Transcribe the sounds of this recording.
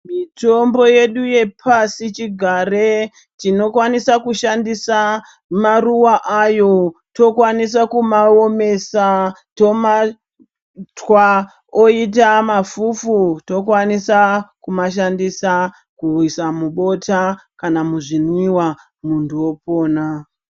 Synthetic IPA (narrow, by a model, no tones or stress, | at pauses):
mito̞mbo̞je̞ɗuje̞pʰasit͡ʃiɡʱaːre | tino̞kwanisakuʃandisa | maruwaʔajo̞to̞kwanis̬akumaome̞sa | to̞ma | twa | oit̬amafufuto̞kwanisakumaʃandisa | kuisamuɓo̞takanamuʐinwiwa | muntuwo̞po̞ːna